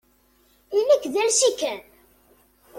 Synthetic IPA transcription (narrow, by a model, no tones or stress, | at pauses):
imækːðælʃikæn